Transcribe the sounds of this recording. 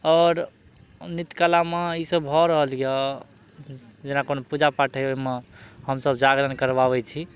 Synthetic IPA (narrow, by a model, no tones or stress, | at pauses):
ɔːɾ | nit̪kalameisəbbʱɔɾəɦəlijɔ | d͡ʒenakonopud͡ʒapaʈʰəjomehəmsəbd͡ʒaɡɾənkəɾbabɛt͡ʃʰi